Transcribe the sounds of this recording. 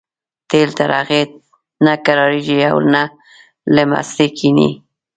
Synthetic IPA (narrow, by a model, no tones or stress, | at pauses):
t̪elt̪aɾɑɣet̪̚ | nakaɾɑɾiʒia̰wna | ləma̰slekʰinḭ